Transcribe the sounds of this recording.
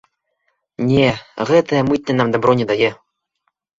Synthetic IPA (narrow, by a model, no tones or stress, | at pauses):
nʲeʁɛt̪ĕmɨt̪ʲnʲɘ̆nɑmd̪abɾonʲed̪ɑjĕ